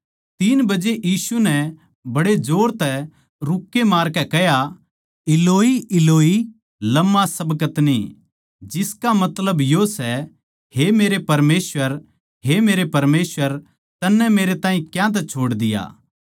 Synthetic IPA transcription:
t̪iːnbɐd͡ʒeʔjiːsunɛ | bɐɽed͡ʒoːɽt̪ɛ | ɾʊkːemaːɾkɛkɛɦja | ɪloːiɪloːi | lɐmːasɐbkət̪nḭ | d͡ʒɪskamɐt̪ləbjosɛ | hemeːɾepɐɾmeːsʋəɾ | ɦemeːɾepɐɾmeːsʋəɾ | t̪ɐnːɛ̃meːɾet̪aːĩkjãt̪̬ɛt͡ʃʰoːɽd̪ɪja̰ː

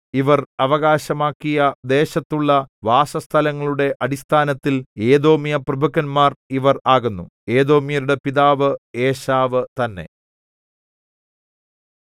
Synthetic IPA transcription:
iʋɐrɐʋɐɣaːɕɐmaːkːijɐd̪e̞ːɕɐt̪ːuɭːɐʋaːʂɐst̪ʰɐlɐŋːɐɭuɽe̞ʔɐɽist̪ʰaːnɐt̪ːile̞ːðo̞ːmijɐprɐbʱɐkːɐnmaːriʋɐraːɣunːu | e̞ːðo̞ːmijɐɾuɽe̞piðaːʋɨeːɕaːʋɨt̪ɐnːe̞̰

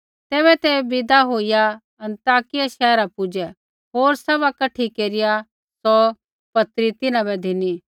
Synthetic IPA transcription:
t̪ɛːβɛt̪ɛbɪd̪aɦoːija | ɐ̃nt̪aːkɪjaʃɛːɾapʊd͡ʒɛ | ɦoːɾsɐβakɐʈʰikeːɾɪja | sɔ | pɐt̪ɾit̪ɪnãbɛd̪ʱɪni

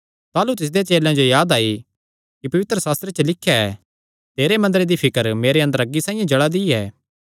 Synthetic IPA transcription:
t̪aːlut̪ɪs̬d̪et͡ʃeːlãd͡ʒojaːd̪aːi | kipɐʋɪt̪ɾəsaːst̪ɾet͡ʃəlɪkʰːjaɛ | t̪eːɾemɐ̃nd̪əɾed̪ipʰɪkəɾmeːɾeɐ̃nd̪əɾɐɡːisãːĩjẽd͡ʒɐɽad̪iɛː

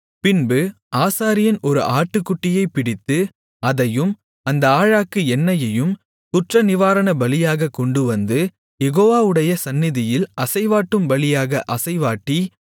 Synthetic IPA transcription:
pɪnbɯ | ʔaːsaːɾɪjɐnɔɾɯ̰ʔaːʈːɯkːʊʈːɪjɐɪpɪɽɪt̪ːɯ | ɐðɐjɯm | ɐnd̪ɐaːɻaːkɯɛnːɐjɐjɯm | t̪ʊʈrɐnɪʋaːɾɐɳɐbɐlɪjaːɣɐkːɔɳɖɯʋɐnd̪ɯ | jɛɣoːʋaːɯɽɐjɐsɐnːɪðɪjɪlɐsɐɪʋaːʈːɯmbɐlɪjaːɣɐʔɐsɐɪʋaːʈːi

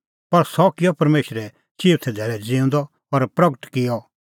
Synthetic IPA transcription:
pɐɾsɔkɪjɔpɐɾmeːʃɾɛ | t͡ʃiːʋt̪ʰɛd̪ʱɛːɭɛd͡zɪ̃ũnd̪ɔ | pɐɾpɾɐɡəʈkɪjɔ

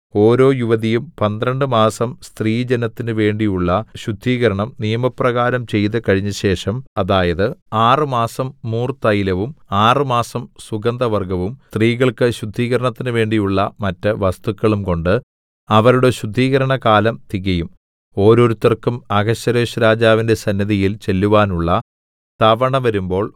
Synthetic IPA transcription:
o̞ːɾo̞ːjuʋɐðijumpɐnd̪ɾɐɳɖɨmaːsɐmst̪riːd͡ʑenɐt̪ːinɨʋe̞ːɳɖijuɭːɐɕud̪ʱːiːɣɐɾɐɳɐmnijɐmɐprɐɣaːɾɐmt͡ɕe̞jt̪ɨkɐɻiɲːɐɕe̞ːʂɐmɐðaːjɐðɨaːrɨmaːsɐmːuːrt̪ɐjilɐʋumaːrɨmaːsɐmsuɡɐnd̪ʱɐʋɐrɡɐʋumt̪riːɣɐɭkɨɕud̪ʱːiːɣɐɾɐɳɐt̪ːinɨʋe̞ːɳɖijuɭːɐmɐtːɐʋɐst̪ukːɐɭumko̞ɳɖɨ | ɐʋɐɾuɽe̞ɕud̪ʱːiːɣɐɾɐɳɐkaːlɐmt̪iɣɐjum | o̞ːɾo̞ːɾut̪ːɐrkːumɐɡɐɕːɐɾeːɕuɾaːd͡ʑaːʋinde̞sɐnːɐðijilt͡ɕe̞lːuʋaːnuɭːɐ | t̪ɐʋɐɳɐʋɐɾumbo̞ːɭ

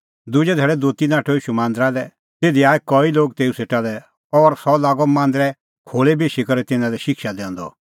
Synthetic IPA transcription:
d̪ʊd͡ʒɛd̪ʱɛːɭɛd̪uːt̪inãːʈʰɔiːʃumãːnd̪ɾalɛ | t̪eːd̪iaːɛkɔiloːɡt̪eːuseːʈalɛ | ɔɾsɔlaːɡɔmãːnd̪ɾɛ | kʰoːlebeːʃikɐɾɛt̪ɪnãlɛʃɪkʃad̪ɛ̃ːnd̪ɔ̰

